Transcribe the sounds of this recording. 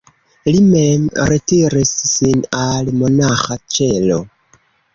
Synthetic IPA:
limemɾetiɾissinalmonaxat͡ʃelo

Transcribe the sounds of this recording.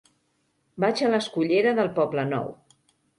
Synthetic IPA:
bat͡ʃələskuʎeɾəðəlˠpɔblənɔ̰w

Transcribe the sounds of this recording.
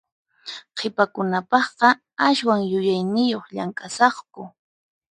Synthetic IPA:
qʰɪpakʊnapɑχqɑ | aʃwaŋjʊjajnɪjoχʎaŋkʼasɑχkʊ

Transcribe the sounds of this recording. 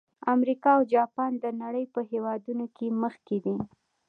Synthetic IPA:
amɾikɑawd͡ʒɑpɑnd̪ənaɽəjpəɦewɑd̪unokeməxked̪i

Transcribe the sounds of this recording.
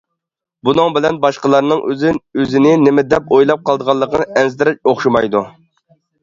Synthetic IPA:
bunɨŋbɪlɛnbɑʃqəlˠɑɾnɨŋʔø̰zɪnøzɪnɪnɪmɪd̪ɛp̚ojlˠɑp̚qɑlˠd̪əʁɑlˠːəqʰənɨʔɛnzt̪ɪɾɛt͡ʃoχʃumɑjd̪u

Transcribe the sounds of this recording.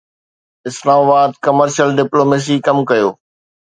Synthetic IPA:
ɪslaːmabaːd̪̚kɐməɾʃəlɖɪploːmeːs̬ikɐmkɐjoː

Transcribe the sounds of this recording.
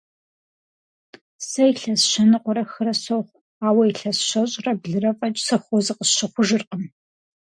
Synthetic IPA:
sɐjiɬɐsʃɐnɨqʷʊɾɐxɨɾɐsoχʷ | aːwɐiɬɐsʃɐɕʼrɐbɮɨrɐfʼɐt͡ʃʼsɐxʷɔzɨqəsʃɐχʷʊʒɨrqʼəm

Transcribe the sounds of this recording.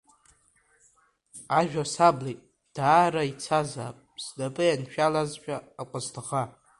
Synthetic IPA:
aʒᶣasablitʼ | d̥aːɾait͡sʰaza̰ːpʼsdapʼɨjanʃᶣalazt͡ʃᶣʼaːkʷʼaztʰaʁa

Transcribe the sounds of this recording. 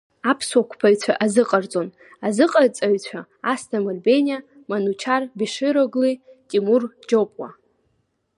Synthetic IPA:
apʰswakʷʰpʰaɥt͡sʷʰaʔazɨqʼart͡sʼo̞n | azɨqʼart͡sʼaɥt͡sʷʰa | astʰamarbenʲia | manut͡ʃʰarbiʂɨɾoɡlitʼimurd͡ʒopʼwa̰

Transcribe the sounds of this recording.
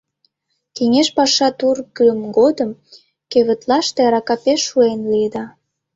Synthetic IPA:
kiŋʲeʃpɑʃɑt̪urɡəmɡod̪əm | køβə̆t̪lɑʃt̪eɑɾɑkɑpeʃːuenliəd̪ɑ

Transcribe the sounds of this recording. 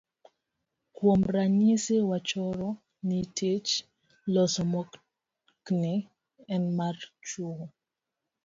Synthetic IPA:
kwomɾaɲisɪwat͡ʃɔɾɔ | nitʰet͡ʃ | lɔsɔmɔk | knɪ | ɛnmart͡ʃoɣo

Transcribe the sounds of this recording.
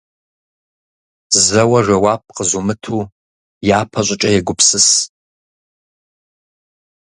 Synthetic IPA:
zɐwɐʒɐwaːp̚ʰʼqəzumɨtʰuː | jaːpʰɐɕʷʼɪt͡ʃʼɐjɛɡʷʊpʰsɨs

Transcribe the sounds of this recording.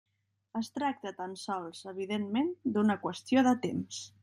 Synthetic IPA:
əst̪ɾak̚t̪ət̪ansɔlˠzəβ̞iðenmend̪unəkwəst̪ioðət̪ems

